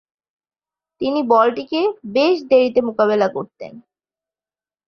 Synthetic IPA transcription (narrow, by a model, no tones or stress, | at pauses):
t̪inibɔlʈikebeʃd̪eɾit̪emokaβelakoɾt̪ḛn